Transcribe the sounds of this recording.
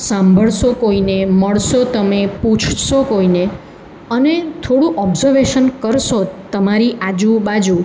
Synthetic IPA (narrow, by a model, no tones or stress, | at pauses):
sãmbʱəɭʃokoineməɭʃot̪əmepũt͡ʃʰʃokoine | ənet̪ʰoɽũʔɔbzəɾʋeʃənkəɾʃot̪əmaɾiʔad͡ʒũbad͡ʒu